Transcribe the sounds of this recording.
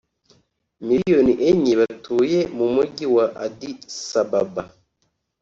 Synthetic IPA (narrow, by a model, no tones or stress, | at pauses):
mijoniʔeɲiβatuːjemumuɟiwaʔadisababa